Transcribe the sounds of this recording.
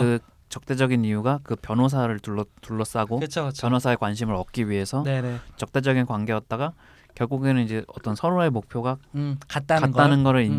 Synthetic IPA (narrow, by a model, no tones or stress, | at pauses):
ɯ | t͡ɕʌk̚t͈e̞d͡ʑʌɡiniuɡakɯpjʌnos̬ʰaɾɯɭtuɭːʌtuɭːʌs͈aɡokɯt͡ɕʰpjʌnosʰae̞kwanɕʰimɯɾʌk̚k͈iɥiɦe̞sʰʌet͡ɕʌk̚t͈e̞d͡ʑʌɡinkwanɡe̞ʌt̚t͈aɡa | kjʌɭɡuɡe̞nɯnid͡ʑe̞ʔʌt͈ʌnsʰʌɾoe̞mok̚pʰjoɡakat̚t͈akat͈anɯnɡʌɾɯɭin